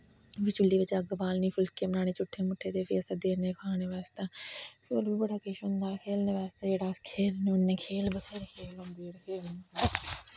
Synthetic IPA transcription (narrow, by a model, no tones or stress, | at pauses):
bit͡ʃʊlːiːʋɪt͡ʃəɡbaːlnĩːpʰʊlkeːmənaːneːt͡ʃʊʈʰːeːmʊʈʰːeːt̪eːpʰiəsəːd̪eːɾnẽːkʰaːneːʋaːst̪aːpʰɪoːlbiːbəɽaːkeʃɦʊ̃nd̪aːkʰeːlnẽːʋaːst̪aːd͡ʒeːɽaːskʰeːlneːʊnːẽːkʰeːlbət̪ʰeːɾkʰeːlõnd̪eːɽkʰeːlnː